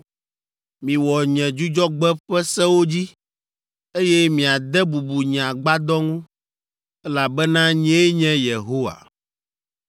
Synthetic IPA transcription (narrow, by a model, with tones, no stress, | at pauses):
mĩ˨wɔ˨ɲɛ̃˨d͡ʒu˦d͡ʒɔ˦ɡ͡bɛ˦ɸɛ˦sɛ˦wo˦d͡ʑi˦ | e˦jɛ˦mĩ˨a˨d̪ɛ˦bu˨bu˨ɲã˨ɡ͡ba˦d̪ɔ˦ŋũ˦ | ɛ˦la˨bɛ˦nã˦ɲɛ̃˦e˦ɲɛ̃˦je˨ɦo˦wa̰˨